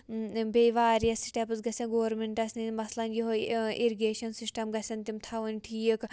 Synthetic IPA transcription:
beʋaːɾijɐsi̥sʈɐpɨsɡɐsʲɐ̃nɡoːɾmeɳʈɐsninmɐslɐnjoɦoiɾiɡeːʃɐnsisʈɐmɡɐsʲɐnt̪imt̪ʰɐʋɐnʲʈʰiːək

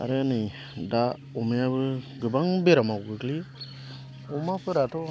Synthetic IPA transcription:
a̰ɾeanɯj | da | ɔmeaβɯɡɯbaŋbeɾamawɡɯkli | ɔmapʰɯɾatʰɔ

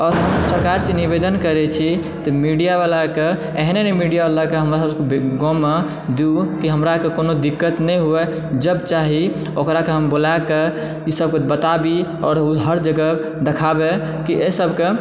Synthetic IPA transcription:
ɔɾɦəmsəɾkaɾsenibed̪ənkəɾɛt͡ʃʰi | t̪ɔmiɖijaβalake | ɛɦnenɛmiɖijabalakeɦəmɾasəbkebɡomːe | d̪eukiɦəmɾakekonod̪ikːət̪nɛjɦuɛ | d͡ʒəbt͡ʃaɦi | okɾakeɦəmbolake | isəb̚kebət̪abiɔ̰ːɾuɦəɾd͡ʒəɡə | d̪ekʰabe | kiʔesəbʱke

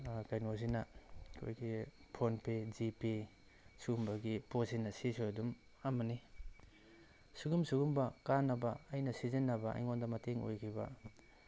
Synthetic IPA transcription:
kajnozinɐkʰo̰jɡipʰonpezipe | suɡumbɐɡiposinɐsisojdum | ɐmɐni | suɡumsuɡumbɐkanːɐbɐɐjnɐsizinːɐbɐʔɐ̰jŋondɐmɐteŋo̰jkʰibɐ̰

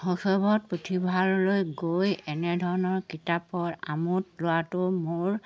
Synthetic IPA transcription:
hɔxɔbɔt̚pɹutʰibʱalːojɡojɛnɛdʱɔɹɔnɔɹkitapɔɹa̰mutlʊwatʊmoɹ

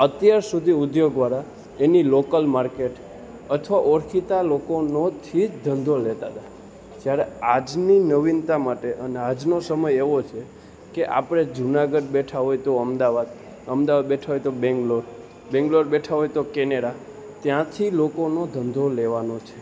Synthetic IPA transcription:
ət̪jaɾsud̪ʱiʊd̪joɡ̚d̪ʋaɾa | enilokəlmaɾkeʈ | ət̪ʰʋaʔoɾkʰit̪alokonot̪ʰid͡ʒd̪ʱənd̪ʱolet̪at̪a | d͡ʒjaɾead͡ʒninəʋint̪amaʈeʔənead͡ʒnosəməjeʋot͡ʃʰe | keʔa̰pɽ̃ed͡ʒunaɡəɖbeʈʰaɦojt̪oəmd̪aʋad̪ | əmd̪aʋad̪̚beʈʰaɦojt̪obɛ̃ŋɡloɾ | bɛ̃ŋɡloɾbeʈʰaɦojt̪okɛneɽa | t̪jãt̪ʰilokonod̪ʱənd̪ʱoleʋanot͡ʃʰe̥

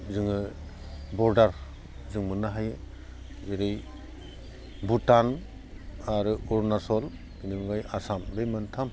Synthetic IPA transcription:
zɯŋɯ | bɔɾdaɾ | zɯŋmɯnːaɦajɯ | zeɾɯj | butan | aɾɯuɾnasɔl | ɡ̥inibŋɡajasambemantʰam

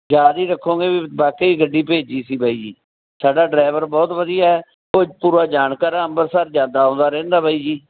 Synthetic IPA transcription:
d͡ʒaːɾiːɾəkʰːõːɡeːbiːbaːkeːiːɡəɖːiːpeːd͡ʒiːsiːbaːiːd͡ʒḭː | saːɖaːɖɾaːɪʋəɾbɔːt̪ʋəd̪ijaːɛː | oːd͡ʒpuːɾaːd͡ʒaːnkaːɾãːəmbəɾsaɾd͡ʒãːnd̪aːõːnd̪aːɾɛ̃ːnd̪aːbaːiːd͡ʒiː

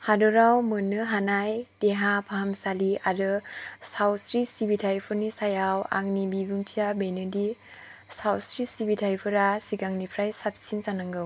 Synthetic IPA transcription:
hadɔɾawmɯnːɯɦanajd̥eɦapʰahamsaliaɾɯsawsɾisibitʰajpʰɯɾnisajawa̰ŋnibibuŋtʰiabejnɯdi | sawsɾisibitʰajpʰɯɾasiɡaŋnipʰɾajsapsinsanaŋɡɯw

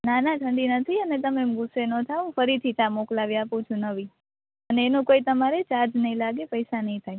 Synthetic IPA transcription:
nanaʈʰə̃ɳɖinət̪ʰiənet̪̬əmemɡʊsenot̪ʰaũfəɾit̪ʰit̪amoklaʋiapũt͡ʃʰũnəʋi | əneːnõkoit̪əmaɾet͡ʃaɾd͡ʒnəɦĩlaɡepəjsanəɦĩt̪ʰaj

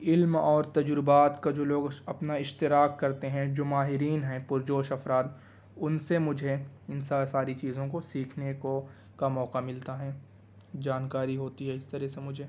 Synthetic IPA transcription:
ɪlmɔːɾt̪ɐd͡ʒɾʊbaːt̪kad͡ʒoːloːɡɐpnaɪʃt̪ɪɾaːkːɐɾt̪eɦɛ̃d͡ʒoːmaːɦɪɾiːnɦɛ̃pʊɾd͡ʒoːʃɐfɾaːd̪ | ʊnsemʊd͡ʒʱeɪnsasaːɾit͡ʃiːzõkosiːkʰneko | kamɔːkamɪlt̪aɦɛː | d͡ʒaːnkaːɾiɦoːt̪iɦɛɪst̪ɐɾɛɦsemʊd͡ʒʱe

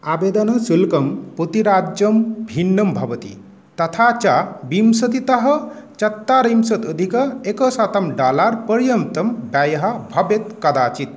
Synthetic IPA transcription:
abed̪ɐnɐsulkɐmput̪iɾaːd͡ʒjəmbʱinːɐmbʱɐbɐt̪ḭ | t̪ɐt̪ʰat͡ʃabimsɐt̪it̪ɐɦɐt͡ʃɐt̪ːaɾimsɐt̪əd̪ʱikɐekəsat̪ɐmɖaːlaɾpəɾjɐmt̪ɐmbajɐɦabʱɐbet̪kɐd̪aːt͡ʃit̪̚

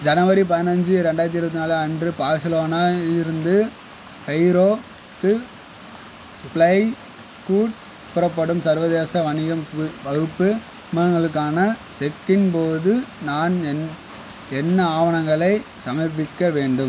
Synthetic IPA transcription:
d͡ʒɐnɐʋɐɾip̬ɐðɪnɐɲd͡ʒɯɾɛɳɖaːɾt̪̬iɪɾpɐt̪ːɪnaːlɐndrɯpaːɾsɐloːnaːɪɾɯnd̪ɯ | hɐɪɾoː | kːɯ | spɭɐɪ | skuːʈ | pʊɾɐpːɐɽɯmsɐɾʋɐðeːsɐʋɐɳɪɣɐmkɯʋɐɣɯpːɯ | mɐnɐŋɡɐɭɯk̬ːaːnɐsɛkːɪnpoːðɯnaːnɛn | ɛnːɐaːʋɐɳɐŋɡɐɭɐɪ | sɐmɐɪp̬ːɪkːɐʋeːɳɖɯm

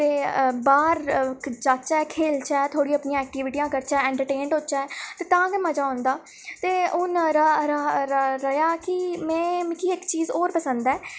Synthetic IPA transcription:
t̪eːbaːɾd͡ʒaːt͡ʃɛːkʰeːlt͡ʃɛːt̪ʰoːɽiəpnɪjãːɛːk̚ʈiːʋɪʈijãːkəɾt͡ʃɛːɛ̃ːɳʈəɾʈeːɳɖot͡ʃɛːɛt̪eːt̪ãːɡɛməd͡ʒaːʊ̃nd̪aː | t̪eːʊnɾɾɾəjaːkɪmɛ̃ːmɪk̪ʰiːɪkt͡ʃiːzoːɾpəsə̃nd̪ɛː

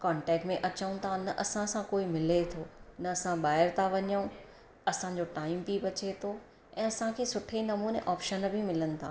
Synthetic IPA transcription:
kɔːɳʈɛːk̚ʈmẽʔɐt͡ɕəũt̪ʰanɐʔɐsãsãkoːimɪlet̪ʰoːnɐːsãɓaːɪɾt̪ʰaʋɐɲəũ | ɐsã̆d͡ʑoʈaːɪmpiʋɐt͡ɕet̪ʰo | ɛ̃ːɐsãkʰeːsʊʈʰenɐmuːneʔɔːpʃənbʱɪmɪlənɪ̆t̪ʰaː

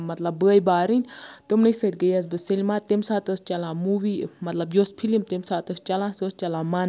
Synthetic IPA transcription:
mɐt̪lɐbːəːjbaːɾɨnʲt̪ɨmnɨsət̪ʲɡəjɐz̬bɨselimaːt̪emsaːt̪əst͡ʃɐlãːmuːʋiːmɐt̪lɐbjoːspʰilimt̪imsaːt̪əst͡ʃɐlãːsost͡ʃɐlãːman

